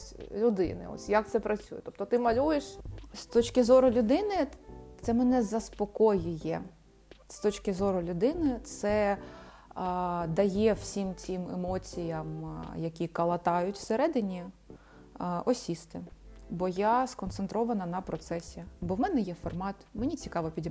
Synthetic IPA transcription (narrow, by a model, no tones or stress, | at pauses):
sʲlʲʊd̪ɪ̰nɪ̰ɔ̰sʲjak̚t̪sɛpɾɐt͡sʲujɛt̪ɔp̚t̪ɔt̪ɪmɐlʲujeʃst̪ɔt͡ʃkɪzɔɾʊlʲʊd̪ɪnɪt̪sɛmɛnɛzɐspɔkɔjʊjɛ̰ | st̪ɔt͡ʃkɪzɔɾʊlʲʊd̪ɪnɪt̪sɛ | d̪ɐjɛwsʲimt͡sʲimḛmɔt͡sʲijɐmjɐkʲikɐlˠɐt̪ɑjʊtʲwseɾɛd̪ɪnʲi | ɔsʲist̪ɪbɔjaskɔnsent̪ɾɔʋɐnɐnɐpɾɔt̪sɛsʲibɔwmɛnɛjɛfɔrmɑt̪menʲit͡sʲikɑʋɔpʲidʲ